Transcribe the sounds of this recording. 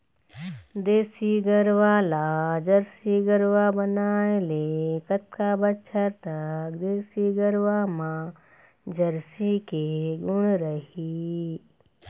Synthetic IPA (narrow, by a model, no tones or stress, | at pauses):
d̪eːsiɡəɾʋalad͡ʒɐɾsiɡəɾʋabɐnaːelekɐt̪̚kabɐtːt͡ʃʰəɾt̪ɐkd̪eːsiɡəɾʋamã | d͡ʒɐɾsikeɡʊɽ̃ɾəɦi